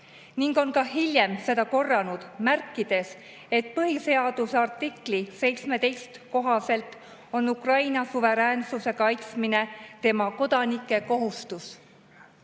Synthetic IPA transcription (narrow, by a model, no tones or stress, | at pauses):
niŋɡo̞nkɑɦilʲje̞mse̞d̪̥ɑko̞rːɑnud̪̥mærkːˑid̪̥e̞s | e̞t̪̚ˑpɤhise̞ɑd̪̥usɑrt̪ːˑiklise̞jt̪sme̞t̪e̞jst̪ko̞ɦɑse̞lt̪ˑ | o̞nːukrɑjnɑsuve̞ɾæːnsuse̞kɑjt̪smine̞t̪e̞mɑko̞d̪̥ɑnikːˑe̞ko̞ɦust̪us